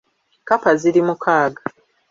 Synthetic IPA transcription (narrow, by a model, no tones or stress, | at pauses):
kapaziɾimukʰaːɡa